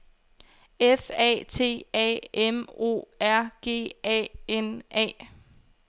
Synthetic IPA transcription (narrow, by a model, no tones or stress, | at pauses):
efɛ̰t͡sʰe̝̰ːɛ̰emo̝̰ːæɐ̰ɡ̥e̝̰ːɛ̰enʔɛ̰ː